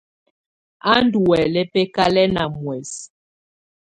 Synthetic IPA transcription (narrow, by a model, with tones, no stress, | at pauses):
a˦n˦du˨ɛ˨lɛ˦pɛ˦ka˦lɛ˦na˨mwɛ˨s